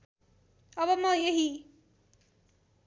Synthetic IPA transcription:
ʌbʌmʌjeɦi

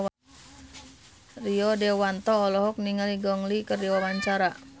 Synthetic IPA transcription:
riɔdɛwant̪ɔːlɔɦɔk̚niŋaliɡɔŋlikərdiwawaɲt͡ʃaɾa

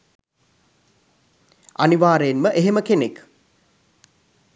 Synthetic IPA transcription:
aniʋaːɾəjenməʔeɦeməkenek

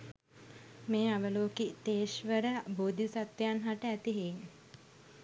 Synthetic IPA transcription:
meːaʋəloːkit̪eːʃʋəɾəboːd̪ʱisat̪ʋjanɦaʈəæt̪iɦeŋ

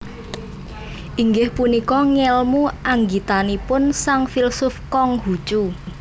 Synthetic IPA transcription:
ʔiŋɡɪhpunikɔŋɛlmuʔaŋɡit̪anipʊnsaŋfilsʊfkɔŋɦu̥t͡ʃu

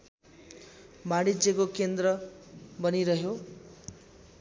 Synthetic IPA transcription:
maɽid͡zekokend̪rʌbʌniɾʌɦjo

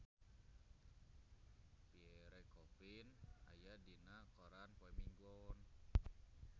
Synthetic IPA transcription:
piɛɾɛkɔfina̰jadinakɔɾanpwɛmiŋɡɔn

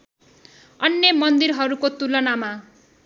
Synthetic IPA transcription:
ʌnjemʌnd̪iɾɦʌɾukot̪ulʌnama

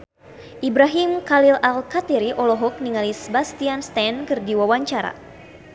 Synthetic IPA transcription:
ʔibɾaɦimkalilalkat̪iɾiʔɔlɔɦɔk̚niŋalisɛbast̪ianst̪ankɨrdiwawaɲt͡ʃaɾa̰

